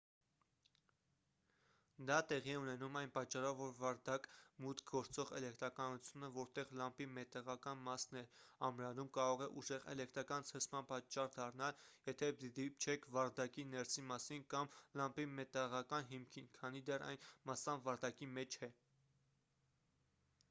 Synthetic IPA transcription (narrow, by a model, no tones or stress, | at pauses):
d̪ɑt̪ɛʁiɛunɛnumɑjnpɑt͡ʃːɑrɔvːɔɾvɑɾd̪ɑkmut̪ʰɡɔɾt͡sɔʁɛlɛkt̪ɾɑkɑnut͡sʰjunəvɔɾt̪ɛʁlɑmpimɛt̪ɛʁɑkɑnmɑsnɛɑmɾɑnumkɑɾɔʁɛʔuʒɛʁɛ̰lɛk̚t̪ɾɑkɑnt͡sʰəsmɑnpɑt͡ʃːɑrd̪ɑrnɑljɛt̪ʰɛd̪ipt͡ʃʰɛkʰvɑɾd̪ɑkinɛɾsimɑsinkɑmlɑmpimɛt̪ɛʁɑkɑnɦimkʰinkʰɑnid̪ɛrɑ̰jnmɑsɑnvɑɾd̪ɑkimɛt͡ʃʰɛ